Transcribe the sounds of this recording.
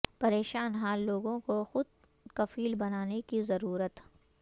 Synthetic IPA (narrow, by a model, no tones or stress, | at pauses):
pɐɾeːʃaːnɦaːlːoːɡõkoxʊd̪̚ | kɐfiːlbɐnaːnekizɐɾuːɾət̪